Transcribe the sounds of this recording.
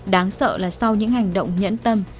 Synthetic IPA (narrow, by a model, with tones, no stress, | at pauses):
ɗaː˨˦ŋsə̰ː˧˨laː˨˩sa˧wɲɨ̰˧˥ŋha˨˩jŋ̟ɗə̰˧˨wŋ͡mɲə̰˧˥nt̪ə˧m